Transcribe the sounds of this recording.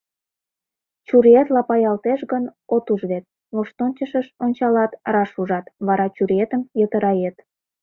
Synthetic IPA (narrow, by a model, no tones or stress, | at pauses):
t͡ɕuɾiet̪lɑpɑjɑlt̪eʃɣənot̪uʒβet̪̚ | moʃt̪onʲt͡ɕəʃəʃonʲt͡ɕɑlɑt̪rɑʃuʒɑt̪βɑɾɑt͡ɕuɾiet̪əmjət̪əɾɑjet̪